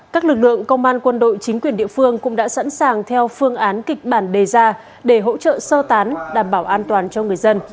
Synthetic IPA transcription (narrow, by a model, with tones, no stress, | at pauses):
kaː˦˥k̚lɨ˨˩k̚lɨ̰˧˨əŋkə˧wŋ͡mʔaː˧nkwə˧nɗo̰˧˨jt͡ɕï˨˦ŋ̟kwi˧˩ənɗḭ˧˨əfɨ˧əŋkʊ̰˧˥ŋ͡mɗa̰ː˧˥sa̰˧˥nsaː˨˩ŋt̪ʰɛ˧wfɨ˧əŋʔaː˨˦nkï˨˩k̟̚ɓaː˧˩nɗe˨˩zaː˧ | ɗe˧˩ɦo̰˧˥t͡ɕə̰ː˧˨səː˧t̪aː˨˦nɗaː˨˩mɓaː˧˩wʔaː˧nt̪waː˨˩nt͡ɕɔ˧ŋɨ˨˩əjzə˧n